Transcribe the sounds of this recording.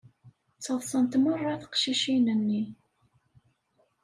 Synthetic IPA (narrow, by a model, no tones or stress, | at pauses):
t͡sːəðˤsˤənt̪mərˤːɑθə̥qʃiʃinənːi